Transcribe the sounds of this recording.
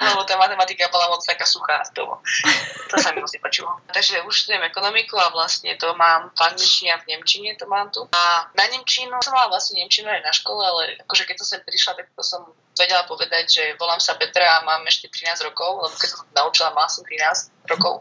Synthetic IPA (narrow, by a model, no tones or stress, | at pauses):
nɔbɔt̪amat̪ɛmat̪ikabɔlamɔt͡st̪akaːsuxaːt̪ɔ̰ɔ̰t̪ɔsamimɔsipɔt͡ʃuːalt̪aɡʒɛuʃst̪uɛmɛkɔnɔmikuaʋlast̪ɲɛ̰t̪ɔmaːmpaɾt̪it͡ʃɲavɲɛmt͡ʃiɲɛt̪ɔmaːmt̪uanaɲɛmt͡ʃinusɔmalaʋlasɲɛɲɛmt͡ʃinuajnaʃkɔlɛalɛ̰akɔʒɛkɛt̪ːɔsɛmpɾiʃlat̪ak̚t̪ɔsɔm | ʋɛɟɛlapɔʋɛd̪aɟʒɛʋɔlaːmsabɛt̪ɾɛamaːmɛʃcɛt̪ɾinaːzɾɔkɔʊlɛbɔkɛcsḁsɔmt̪ɔnaut͡ʃilamalasɔmt̪ɾinaːz | ɾɔkɔ̰ʊ